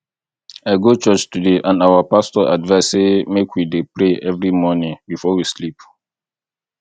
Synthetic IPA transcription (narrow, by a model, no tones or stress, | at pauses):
aɪɡot͡ʃɔt͡ʃtudeʔãnawəpastɔʔa̰dvasemekʰwidepɹeʔɛvɹimɔnĩŋbifɔwislip